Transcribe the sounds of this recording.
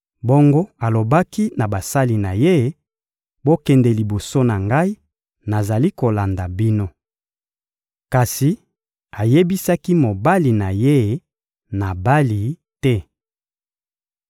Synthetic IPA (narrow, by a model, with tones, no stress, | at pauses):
bo˦ŋɡo˦a˨lo˨ba˦ki˦na˨ba˨sa˦li˨na˨je˦˨˦ | bo˦kɛ˨ndɛ˨li˨bo˨so˦na˨ŋɡa˦i˦ | na˨za˨li˦ko˨la˨nda˨bi˦no˦ | ka˨si˨ | a˨je˦bi˦sa˦ki˦mo˨ba˦li˨na˨je˦ | na˨ba˦li˨ | tɛ˦